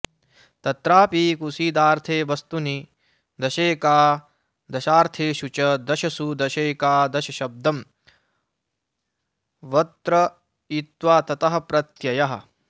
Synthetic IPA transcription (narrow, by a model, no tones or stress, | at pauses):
t̪ɐt̪ɾaːpiːkusiːd̪aːɾt̪ʰeːʋɐst̪uni | d̪ɐʃeːkaː | d̪ɐʃaːɾt̪ʰeːʃut͡ʃɐd̪ɐʃɐsud̪ɐʃeːkaːd̪ɐʃɐʃɐb̚d̪ɐm | ʋɐt̪ɾɐ | it̪ʋaːt̪ɐt̪ɐɦɐ̆pɾɐt̪jɐjɐɦɐ̰̆